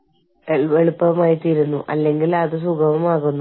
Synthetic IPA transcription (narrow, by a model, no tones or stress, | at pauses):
eʋeɭupːɐɐmaːjit̪ːijɾunːuʔɐ̰lːe̞ŋɡilɐðɨsuɡʱɐʋɐmaːɣunːu